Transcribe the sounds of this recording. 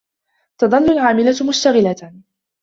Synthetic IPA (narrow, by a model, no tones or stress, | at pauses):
t̪ɑðˤɑlːʊlʕaːmɪlamʊʃt̪aɣɪla